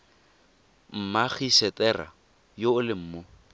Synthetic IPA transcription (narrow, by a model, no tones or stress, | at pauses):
m̩maχiʃɛtʼɛra̰ | joːlɪm̩ːmo